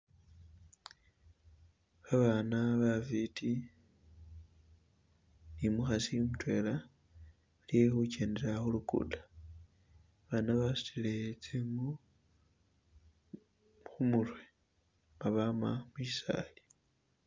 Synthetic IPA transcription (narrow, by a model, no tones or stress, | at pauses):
βaβanaβafitʰi | nimuxasimutwe̞la | aljexuce̞ːnde̞ɾaxulukṵdḁ | βanaβasu̥tilet͡semu | xumulwe | maβama̰muʃisa̰li